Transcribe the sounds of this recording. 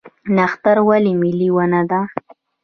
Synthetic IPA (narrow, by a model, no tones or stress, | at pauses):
naxt̪aɾwalimɪliwanad̪a